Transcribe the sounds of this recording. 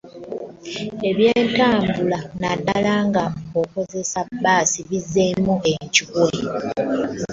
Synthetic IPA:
e̞βjeːntaːmbulanadːalaːŋɡao̞ko̞ze̞sabaːsiβizːemueɲcikee

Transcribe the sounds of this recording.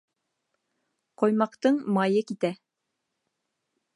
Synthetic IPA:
qŏjmɑqt̪ɤɴmɑjɤkit̪æ

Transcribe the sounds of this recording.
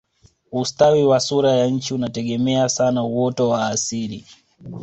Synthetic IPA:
ustawiwasuɾajaɲ̩t͡ʃiunatɛɠɛmɛasanauwɔtɔwaːsiɾi

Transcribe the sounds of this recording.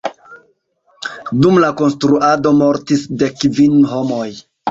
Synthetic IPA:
dumlako̞nstɾuado̞mo̞ɾtisde̞kvinho̞mo̞j

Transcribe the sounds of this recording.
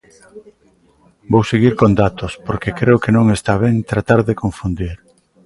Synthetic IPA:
bowseɣiɾkond̪at̪ospoɾkekɾeʊkenõŋest̪aβ̞ɛŋt̪ɾat̪aɾðekoɱfund̪iɾ

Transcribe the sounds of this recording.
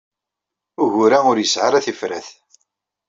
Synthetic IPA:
ʊʝʊɾæʊɾjəsʕaɾæθifɾæθ

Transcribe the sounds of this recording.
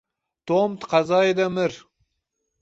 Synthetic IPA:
t̪omt̪qʰɑzɑjd̪amɪɾ

